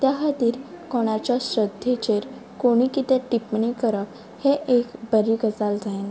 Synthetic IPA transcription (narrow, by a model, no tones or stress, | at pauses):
t̪jaɦat̪iːɾkɔɽ̃at͡ɕjaɕɾəd̪ʱjet͡ɕeɾ | koɽ̃ikit̪ɛ̃ʈipɳikəɾəp | heʔekbəɾiːɡəd͡zald͡zaen